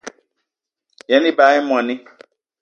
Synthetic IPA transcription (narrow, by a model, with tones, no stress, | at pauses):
jɛ˨˦nĩ˦ba˨˦ɪ˦mɔ̃˨nɪ̃˦